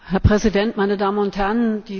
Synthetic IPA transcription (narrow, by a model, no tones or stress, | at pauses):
hɛɐpʁ̥ɛzidɛntmaɪnədaːmənʊnthɛɐnd̥iː